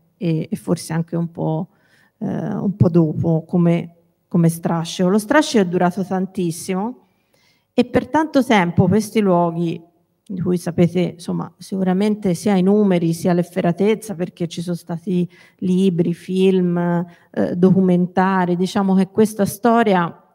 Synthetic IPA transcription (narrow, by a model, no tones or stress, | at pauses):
eːfːorseaŋk̟eumpɔ̰ | ṵmpɔd̪ːoːpokome | komest̪ɾat͡ʃːolost̪ɾat͡ʃːoɛd̪ːuɾaːt̪ot̪ant̪isːimo | epːert̪ant̪ot̪ɛmpokwest̪ilwɔːɡi | d̪ikujsapeːt̪esomːa̰sikuɾament̪esiːainuːmeɾisiːalefːeɾat̪et̪sːaperk̟et͡ʃːisonst̪aːt̪i | liːbɾifilm̰ | d̪okument̪aːɾid̪it͡ʃaːmok̟ekːwest̪ast̪ɔːɾja